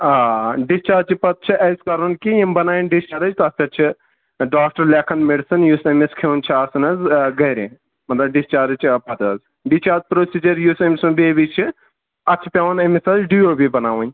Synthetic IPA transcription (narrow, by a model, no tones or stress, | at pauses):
aɖist͡ʃaːd͡ʒt͡ʃʰipɐt̪̚t͡ʃʰiʔɐjskɐɾunkijimbɐnaːjinɖist͡ʃaːɾɐt͡ʃʰt̪ɐt͡ʃʰɐt͡ʃʰi | ɖaːk̚ʈɐɾleːkʰɐnmiɖsɐnjuːsɐmeskʰent͡ʃʰiaːsɐnɐzɡɐjɾḛ̃ | mɐt̪lɐbɖist͡ʃaːɾt͡ʃʰpɐt̪ɐz | ɖist͡ʃaːɾd͡ʒpɾoːsiːd͡ʒɐɾjuːsɐmisumbeːbit͡ʃʰi | ɐt͡ʃʰi̥pʲawɐnɐmisɐzɖioːbibɐnaːʋunʲ